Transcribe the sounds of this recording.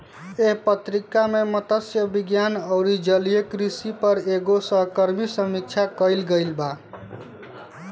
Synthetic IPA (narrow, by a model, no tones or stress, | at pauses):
eɦpət̪ɾikamemət̪əsjəbiɡjanəʊɾid͡ʒəlijekɾisipəɾeɡosəɦkəɾmisəmik̚t͡ʃʰakəɪlɡəjlba